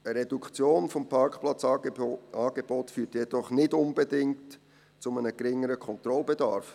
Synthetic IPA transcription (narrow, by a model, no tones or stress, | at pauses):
əɾɛdukʰt͡sjoːnfɔmpʰɑɾkχplɑt͡s | ɑːɡ̥ebɔtfyːtjɛd̥ɔχnɪdʊnbedɪŋt | t͡sʊmənəɡɾɪŋːəɾəkʰɔnt̪ɾɔlbedɑɾf